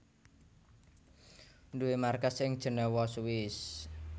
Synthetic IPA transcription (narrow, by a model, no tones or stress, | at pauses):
nduwemarkasɪŋd̥ʒ̥ə̤nəwɔsuwɪs